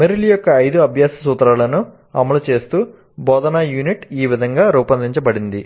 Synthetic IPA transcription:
meɾilijɔkːɐːjd̪uɐbʱjaːsɐsuːt̪ɐɾaːlɐnu | ɐ̰mɐlut͡ʃe̞ːst̪uː | bɔːd̪ɐnaːjuːniʈiːʋid̪ʱɐŋɡaːɾuːpɐnd̪iɲt͡ʃɐbɐɽind̪i

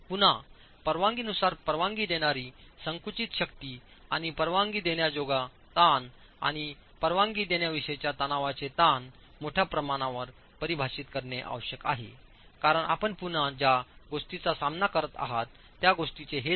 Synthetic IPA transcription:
pun̤a | pəɾʋãŋɡinusaɾpəɾʋãŋɡiːd̪eɽ̃aɾiːsəŋkut͡ɕit̪ɕəkt̪iː | a̰ɽ̃ipəɾʋãŋɡiːd̪eɳjad͡zoɡa | t̪an | a̰ɽ̃i | pəɾʋãŋɡiːd̪eɳjaʋiʂəjt͡ɕjat̪ənaʋat͡set̪an | moʈʰjapɾəmaɽ̃aʋəɾ | pəɾibʱaɕit̪kəɾɳeʔa̰ʋɕjəka̰ɦḛ | kaɾəɳa̰pəɳpun̤ad͡ʑjaɡoʂʈit͡sasamnakəɾət̪a̰ɦat̪ːjaɡoʂʈit͡seɦe

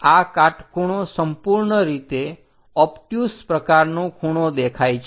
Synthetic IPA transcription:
akaʈkʰuɽ̃osəmpuɾɳəɾit̪e | ɔpʈjuspɾəkaɾnõkʰuɽ̃od̪ekʰajt͡ʃʰ

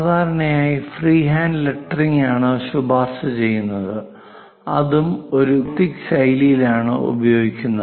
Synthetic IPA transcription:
saːd̪ʱaːɾɐɳɐjaːjifriːɦaːndleʈːɐriŋaːɳɨɕubʱaːsɨt͡ɕe̞jːunːɐðɨ | ɐ̰ðumo̞ɾut̪iksɐjlijilaːɳɨ̰ṵbɐjo̞ːɡikʲːunːɐ

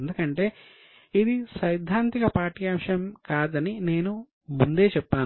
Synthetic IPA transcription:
nd̪ukɐɳʈe̞ː | id̪isɐjd̪ʱːaːnt̪ikɐpaːʈijaːmʂɐmkaːd̪ɐnine̞ːnu | mund̪e̞ːt͡ʃɛpːaːn

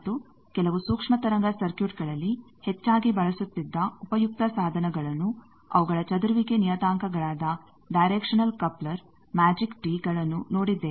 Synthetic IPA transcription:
t̪ːu | kɛlɐʋusuːkʂmɐt̪ɐɾɐŋɡɐsɐɾkjuːʈ̚ɡɐɭɐlːi | het͡ʃːaːɡibɐɭɐsut̪ːid̪ːɐupɐjuk̚t̪ɐsaːd̪ʱɐnɐɡɐɭɐnːu | ɐ̰ʋuɡɐɭɐt͡ʃɐd̪uɾuʋiɡe̞nijɐt̪aːŋkʰɐɡɐɭaːd̪ɐ | ɖɐjɾeːkʂɐnɐlkɐplɐɾ | maːd͡ʒikʈiːɡɐɭɐnːuno̞ːɽid̪ːe

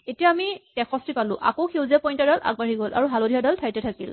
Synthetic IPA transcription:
etijaːmitɛxʰɔstipalʊ̰̃ʔa̰kowxʰewzɛpɔjntaɾalʔa̰ɡ̚baɹiɡolʔa̰ɹuɦalodʱijadaltʰajtɛtʰakḭl

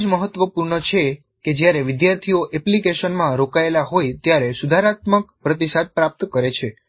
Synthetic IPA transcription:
d͡ʒməɦət̪ːʋəpuɾɳət͡ʃʰe | ked͡ʒjaɾeʋɪd̪jaɾt̪ʰioʔɛplikeʃənmãɾokaelaɦojt̪jaɾesud̪ʱaɾat̪məkpɾət̪iʃat̪̚pɾap̚t̪kəɾet͡ʃʰe

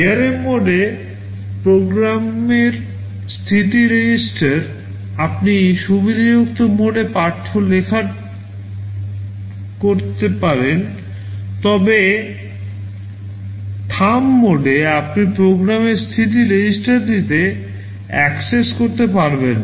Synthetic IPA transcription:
eaɾemoɖe | pɾoɡɾameɾ | st̪ʰit̪iɾed͡ʑisʈaɾ | apniʃubid̪ad͡ʑuk̚t̪omoɖepaɾʈʰːolekʰa | koɾt̪epaɾen | t̪ɔbe | ʈʰamːoɖeapnipɾoɡɾameɾst̪ʰit̪̬iɾed͡ʑisʈaɾd̪it̪e | ɛkseskoɾt̪epaɾben

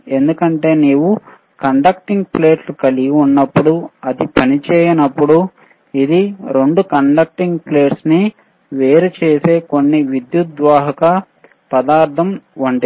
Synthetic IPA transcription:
e̞nd̪ukɐɳʈe̞ːniːwu | kɐɳɖɐk̚ʈiŋɡple̞ːʈlukɐliɡiunːɐpːuɽuɐd̪ipɐnit͡ʃɛːjɐnɐpːuɽu | id̪iɾe̞ɳɖukɐɳɖɐk̚ʈiŋɡple̞ːʈsni | ʋeːɾut͡ʃeːse̞ːko̞nːiʋid̪jut̪̚d̪ʋaːɦɐkɐ | pɐd̪aːɾt̪ʰɐmʋɐɳɖɐ

